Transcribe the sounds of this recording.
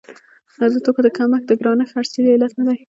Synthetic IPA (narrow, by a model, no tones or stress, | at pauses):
azut̪okod̪əkamaxd̪əɡɾɑnəxaɽselɪlat̪nad̪aj